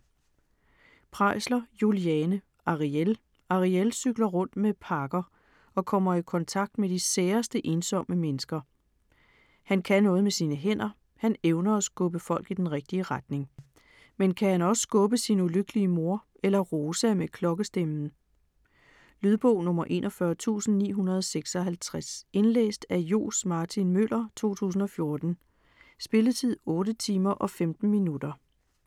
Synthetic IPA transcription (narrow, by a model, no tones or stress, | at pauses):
pʰʁɑ̈ɪ̰slɐjuliɛːnə | ʔɑ̈ʁiel | ɑ̈ʁielsyɡ̥lɐʁɔ̽n̰d̥mepʰɑ̈ɡ̥ɐ | ɒ̽kʰɒ̽m̰ɐikʰɒ̽nt͡sʰɑ̈ɡ̥̚d̥mediseːɐsd̥əʔe̝ːnsɒ̽m̰əmenəsɡ̥ɐ | hænkʰænɔ̽ːð̞̩ˠmesiːnəɦen̰ɐ | hæneʊnɐːsɡ̥ɔ̽b̥əfɒ̽l̰ɡ̥id̥enʁeɡ̥̚d̥iəʁad̥ne̝ŋ | menkʰæhænɒ̽ssɡ̥ɔ̽b̥əsinuløɡ̥əliəmo̝ɐʔelɐʁoːsæmekʰlɒ̽ɡ̥əsd̥emn̩ | lyð̞ˠb̥ɔ̰ʊ̰nɔ̽mɐʔe̝̰ːnʔɒfɶɐt͡sʰṵːsn̩nḭːɦunɐð̞ˠɒseɡ̥sɒ̽ɦælt͡sʰʁase̝nlḛːsd̥æjo̝̰ːsmɑ̈ːt͡sʰinmølʔɐt͡sʰo̝̰ːt͡sʰṵːs̬n̩ɒ̽fjo̝ɐd̥n̩ | sb̥e̝lət͡sʰið̞̰ˠɔ̽ːɾət͡sʰiːmɐʔɒ̽femd̥n̩minud̥ɐ